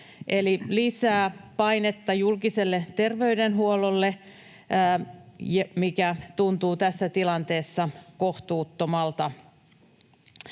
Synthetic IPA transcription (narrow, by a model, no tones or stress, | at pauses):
ʔelilisæːpɑinet̪ːɑjulkiselːet̪erʋe̞ydenɦuololːeː | jmikæt̪unt̪uːt̪æsːæt̪ilɑnt̪eːsːɑkoht̪uːt̪ːomɑlt̪ɑ